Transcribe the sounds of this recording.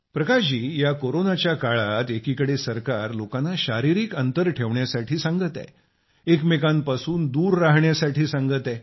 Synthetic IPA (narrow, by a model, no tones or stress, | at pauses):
pɾəkaɕiːjakoɾonat͡ɕjakaɭat̪ekikəɽesəɾkaɾlokanːaɕaɾiɾiːkənt̪əɾʈʰeʋɳjasaʈʰiːsãŋɡət̪a̰j | ekmekanpasuːnd̪uːɾːaɦɳjasaʈʰiːsaŋɡət̪aj